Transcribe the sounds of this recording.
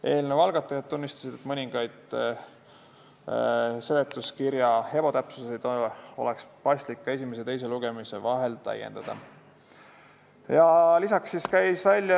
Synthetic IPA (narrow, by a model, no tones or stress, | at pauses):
ʔe̞ːlnevɑlɡ̥ɑt̪ːˑɑjɑd̪̥̚t̪unːist̪ɑsid̪̥et̪ːˑmɤnʲiŋɡ̥ɑjd̪̥ | se̞let̪ːˑuskiɾjɑhe̞po̞t̪æpsuse̞jd̪̥oolekspɑjsʲt̪likːɑe̞sʲimes̬et̪e̞jse̞luɡ̥e̞mise̞vɑɦe̞lt̪æ̰jḛnd̪̥ɑd̪̥ɑ̰ | jɑlisɑksːiskæjsvælʲjɑ